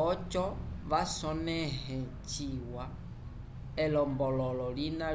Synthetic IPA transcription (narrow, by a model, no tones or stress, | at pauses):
ɔt͡ʃɔβasɔnɛhɛ | t͡ʃiwa | ɛlɔmbɔlɔlɔlina